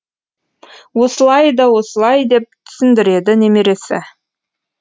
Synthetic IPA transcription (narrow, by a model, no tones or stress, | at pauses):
wo̞səlˠɑjd̪ɑwo̞səlˠɑjd̪e̞p̚t̪ʰʏ̥sɪnd̪ɪɾe̞d̪ɪnemeɾe̞sɪ̰